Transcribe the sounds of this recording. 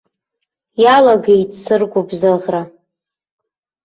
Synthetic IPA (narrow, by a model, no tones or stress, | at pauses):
jalaɡejtsɨrɡʷubzɨʁra